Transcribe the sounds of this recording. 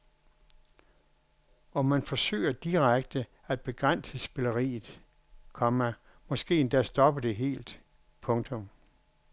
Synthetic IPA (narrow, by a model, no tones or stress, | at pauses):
ɒ̽mænfɒ̽sø̰ːɪɐd̥iʁaɡ̥̚d̥ə | æd̥̚b̥e̝ɡ̥ʁan̰səsb̥e̝lɐʁḭːð̩ˠ | kʰɒmæ | mɒ̽sɡ̥e̝̰ːend̥æsd̥ɒ̽b̥əd̥e̝ɦe̝̰ːld̥ | pʰɔ̽ŋt͡sʰɔ̽m